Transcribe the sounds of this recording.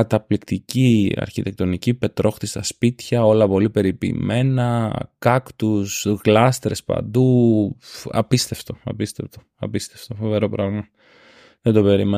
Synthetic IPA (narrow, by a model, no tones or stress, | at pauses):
ɐt̪ɐplikt̪iciɐ̰ɾçit̪e̞k̚t̪o̞nicipe̞t̪ɾo̞xt̪ist̪ɐspit̪çɐo̞lɐpo̞lipe̞ɾipḭːme̞nɐkɐkt̪usɣlɐst̪ɾe̞spɐ̰nd̪u | ɐ̰pist̪e̞ft̪o̞ɐ̰pist̪e̞ft̪o | ɐ̰pist̪eft̪ofo̞ve̞ɾo̞pɾɐɣmɐ | ðend̪ope̞ɾime